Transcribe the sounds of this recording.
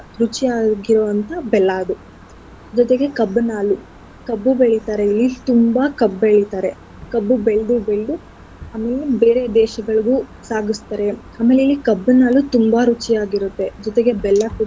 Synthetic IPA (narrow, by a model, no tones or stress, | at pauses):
ɾut͡ʃiaːɡiɾoːʋɐnt̪ɐbɛlːaːd̪u | d͡ʒɔt̪eɡe̞kɐbːnaːlu | kɐbːubeɭit̪aːɾe̞ilːit̪umbɐkɐbeɭit̪aːɾe̞ | kɐbːubeɭɖ̪ubeɭɖu | aːmeːlebeːɾe̞d̪ɛːʃɐɡɐɭɡuːsaːɡust̪aːɾe | aːmeleilːikɐbːunaːlut̪umbɐɾut͡ʃijaːɡiɾut̪ːe̞d͡ʒɔt̪eɡe̞bɛlːɐku